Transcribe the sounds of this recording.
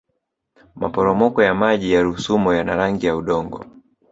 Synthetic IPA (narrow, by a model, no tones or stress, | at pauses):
ma̰pɔɾɔmɔkɔjamaʄijaɾusumɔjanaɾaŋɡijauɗɔŋɡɔ̰